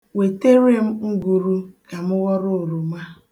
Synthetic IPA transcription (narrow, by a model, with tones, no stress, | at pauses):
we˨te˦ɾe˦m̩˦ŋ̩˦ɡu˨ɾu˦ka˨mʊ˦ɣɔ˦ɾo˦˨ɾu˨ma˦